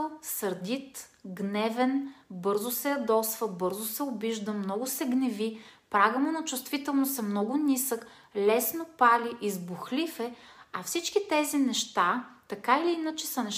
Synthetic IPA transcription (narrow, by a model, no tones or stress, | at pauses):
sɐɾd̪ʲit̪ɡnɛvɛnbɤɾzʊsɛɐd̪ɔsvəbɤɾzʊsɛʊbiʒd̪əmnɔɡʊsɛɡnɛvipɾaɡəmunɐt͡ʃʊst̪vit̪ɛlˠnosɛmnɔɡʊnisək | lɛsnopaliʔizbʊxlifɛɐfsit͡ʃkit̪ɛzinɛʃt̪at̪ɐkailiinət͡ʃɛsɐnɛ